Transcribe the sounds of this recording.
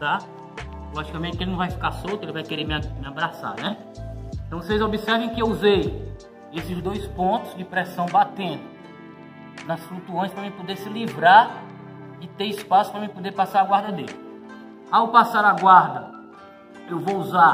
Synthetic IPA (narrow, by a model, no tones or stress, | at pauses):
t̪a | lɔʒikɐmẽnɪkelɪnɐ̃w̃vajfi̥kasowt̪ʊelɪvajkeɾemmɪabɾasa̰nɛ | ẽt̪ɐ̃w̃vosejzobisɛɾvẽj̃kɪewuzej | esɪzd̪ojspõt̪ʊzd͡ʒɪpɾɛsɐ̃w̃bat̪ẽt̪ɪ̥ | nɐsflut̪uõj̃spɾɐmɪɪpod̪esɪlivɾaɾ | d͡ʒɪt̪eɾispasʊ̥pɾɐmɪpod̪epasaɾaɡwaɾd̪ɐd̪elɪ | awpasaɾaɡwaɾd̪ɐ | ewvouza